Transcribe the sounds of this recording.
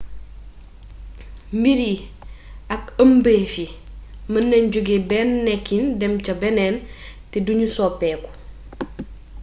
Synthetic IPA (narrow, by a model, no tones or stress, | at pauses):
mbiɾi | ɐkəmbefimɐnːɛɲɟuɡebɛːnːɛkːindɛmcɐbɛnɛn | tɛduɲusɔːpːɛku̥